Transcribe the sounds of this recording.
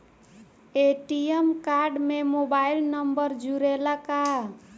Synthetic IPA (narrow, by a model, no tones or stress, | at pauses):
eʈijemkaɾɖmemobailnəmbəɾd͡ʒuɾelaka